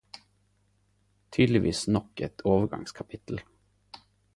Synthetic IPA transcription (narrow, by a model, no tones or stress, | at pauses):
t̪ʰyːd̪lɪʋiːsnɔkːɛt̪ʰoːvəɾɡɑ̰ŋskʰapʰɪt̪ʰl̩